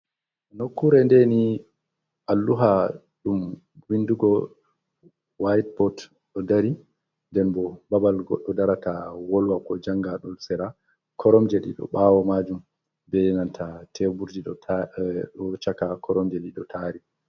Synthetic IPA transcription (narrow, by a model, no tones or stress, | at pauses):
nokːuɾɛndɛni | ʔalːuɦa | ɗum | winduɡɔ | wajt̚pɔt | ɗɔdaɾi | ndɛnbɔbabalɡɔɗːɔdaɾatawɔlwakɔd͡ʒaŋɡaɗɔlsɛɾa | kʰɔɾɔmd͡ʒɛɗḭɗɔ̰ɓawɔmad͡ʒum | bɛnantʰatʰɛbuɾdiɗɔ | ɗɔt͡ʃakakʰɔɾɔmd͡ʒɛɗiɗɔtʰaɾi